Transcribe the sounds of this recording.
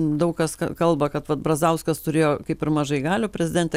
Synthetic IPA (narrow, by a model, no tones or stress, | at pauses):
d̪ɐʊkkɐskɐ̰kɐlˠbɐkɐt̪ʋɐt̪bɾɐzɐʊskɐst̪ʊɾʲeːjoːkɐɪpɪɾmɐʒɐɪɡɑːlʲoːpʲɾʲɛzʲɪd̪ʲɛnʲt̪ʲɛ